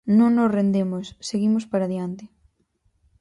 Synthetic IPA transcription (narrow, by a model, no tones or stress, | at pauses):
nõŋnosrend̪emosːeɣimʊspaɾaðjant̪ɪ